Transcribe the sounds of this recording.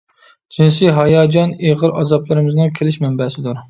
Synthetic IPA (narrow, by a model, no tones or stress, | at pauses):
d͡ʒinsɪɦɑjɑːd͡ʒɑneʁəɾɑzɑplˠɨɾɪmɪznɨŋkʲʰelɪʃmɛmbɛsɪd̪uɾ